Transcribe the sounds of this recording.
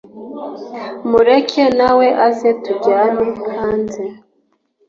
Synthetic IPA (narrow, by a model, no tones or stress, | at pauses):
muɾekʰenaweʔazetuɡaːnehaːnze